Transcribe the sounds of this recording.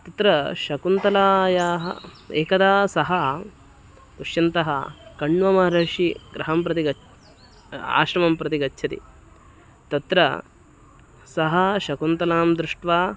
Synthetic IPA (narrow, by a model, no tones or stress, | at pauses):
t̪ɐt̪ɾɐʃɐkunt̪ɐlaːjaːɦɐ̰ | eːkɐd̪aːsɐɦɐ | t̪uʂjɐnt̪ɐɦɐ̰kɐɳʋɐmɐɾɐːʂiɡɾɐɦɐmpɾɐt̪iɡɐ | a̰ːʃɾɐmɐmpɾɐt̪iɡɐtːʃʰɐt̪ḭ | t̪ɐt̪ɾɐ̰ | sɐɦɐʃɐkunt̪ɐlaːmd̪ɾuʂʈʋaː